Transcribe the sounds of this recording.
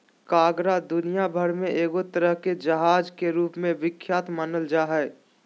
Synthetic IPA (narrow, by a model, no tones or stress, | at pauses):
kaːɡɾad̪ʊnijabʱəɾmẽʔeːɡot̪əɾəɦked͡ʒəɦaːd͡ʒkeɾuːpmẽʋɪkʰːjaːt̪maːnəld͡ʒaːɦɛː